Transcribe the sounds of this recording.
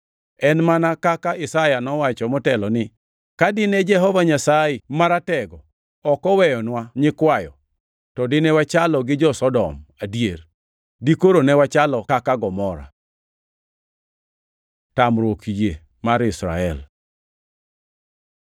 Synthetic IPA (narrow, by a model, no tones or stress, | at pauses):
ɛnmanakakaɪsajanɔwat͡ʃɔmɔtɛlɔnɪ | kadɪnɛd͡ʒɛɦɔvaɲasaɪmaɾatɛɡɔ | ɔkɔwɛjɔnwaɲɪkwajɔ̰ | tɔdɪnɛwat͡ʃalɔɡɪd͡ʒɔsɔdɔ̰madijer | dikoɾonɛwat͡ʃalɔkakaɡɔmɔɾa̰ | tamɾwokije | maɾɪsɾa̰ɛl